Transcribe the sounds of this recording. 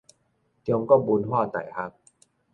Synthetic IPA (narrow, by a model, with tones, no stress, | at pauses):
t͡ɕo˧ŋkɔː˥˩buː˧nɦɔː˥˩t̪a̰˨˩jhʰa˦˥k̚